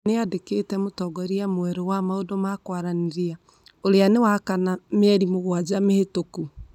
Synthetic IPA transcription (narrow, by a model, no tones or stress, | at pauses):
neadeketɛmotɔɡɔɾiamwɛɾɔwamaodomakwaɾaniɾia | oɾeanewakanamɛɾimoɣwad͡ʑamehetoku